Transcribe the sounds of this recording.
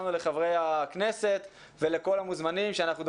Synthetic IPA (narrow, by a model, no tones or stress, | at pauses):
nule̞χavʁejakne̞se̞t̪ | vele̞ko̞lamuzmanimʃeanaχnud̪